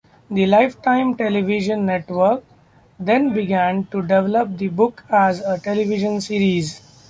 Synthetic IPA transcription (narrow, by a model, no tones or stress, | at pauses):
d̪ilaɪfʈãɪ̃mʈeliʋiʒə̃nːeʈʋəɾk | d̪ẽnbiɡæ̃nʈuɖeʋɛləp̚d̪ibʊkæzəʈeliʋiʒə̃nsiːɾiz